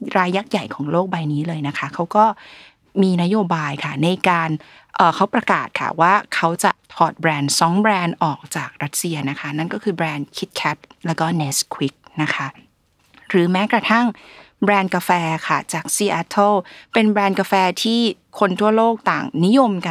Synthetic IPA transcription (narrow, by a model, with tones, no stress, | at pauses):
ɾaː˧jːa˦˥k̚ja˨˩jkʰɔː˩˦ŋloː˥˩k̚ba˧jniː˦˥lɤː˧jna˦˥kʰa˦˥kʰa˦˥wkɔː˥˩ | miː˧na˦˥joː˧baː˧jkʰa˥˩na˧jkaː˧n | ʔɤː˨˩kʰa˦˥wpɾa˧kaː˨˩t̪̚kʰa̰˥˩waː˥˩kʰa˦˥wt͡ɕa˨˩p̪ʰɔː˨˩t̪̚bɾɛː˧nsɔ˨˦˥ŋbɾɛː˧nʔɔː˨˩k̚t͡ɕaː˨˩k̚ɾa˦˥t̪̚si˧ɐna˦˥kʰa˦˥na˥˩nkɔː˥˩kʰɯː˧bɾɛː˧nkʰi˦˥t̪̚kʰɛː˦˥t̪̚lɛː˦˥wkɔː˥˩neː˦˥skʰwi˦˥k̚na˦˥kʰa˦˥ | ɾɯː˩˦mɛː˦˥kɾa˧t̪ʰa˥˩ŋ | bɾɛː˧nka˧fɛː˧kʰa˥˩t͡ɕaː˨˩k̚siː˧ʔɛ˧˥t̪ʰːɤ˥˩pe˧nbɾɛː˧nka˧fɛː˧t̪ʰiː˥˩ | kʰo˧nt̪ʰu˥˩ɐloː˥˩k̚t̪aː˨˩ŋni˦˥jo˧mka˧